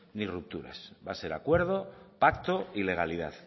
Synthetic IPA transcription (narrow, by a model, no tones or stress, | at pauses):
nirup̚t̪uɾa̰sbase̞ɾakwe̞ɾð̞o̞pakt̪oile̞ɣaliða̰ð